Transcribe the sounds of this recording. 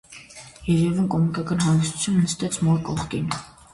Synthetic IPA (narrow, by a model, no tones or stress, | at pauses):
jɛɾɛvənkʼɔmunikɑkɑnɦɑnɡisu̥t͡sʰjumnəst̪ɛt͡sʰmɔɾkʼɔχt̪in